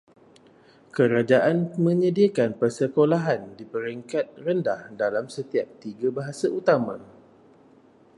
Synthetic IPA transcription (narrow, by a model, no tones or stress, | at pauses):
kəɾad͡ʒaʔanmə̃ɲə̃diakanpərsəkolaɦandipəɾiŋkat̪̚rəndahdalamsət̪iap̚t̪iɡabaɦasaut̪amã